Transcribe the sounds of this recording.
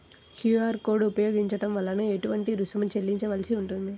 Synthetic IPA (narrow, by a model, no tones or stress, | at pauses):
hjuːaːɾkoːɾɖupɐjo̞ːɡiɲt͡ʃɐʈɐmʋɐlːɐnueʈuʋɐɳʈiɾusumunt͡ʃelːiɲt͡ʃɐʋɐlsiuɳʈund̪i